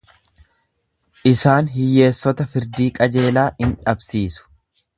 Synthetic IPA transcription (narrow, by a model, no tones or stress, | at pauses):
ʔɪsaːnɦɪjːe̞ːsːɔt̪ɐfɪɾd̪iːkʼɐd͡ʒe̞ːlaːhɪnᶑɐbsiːsʊ̥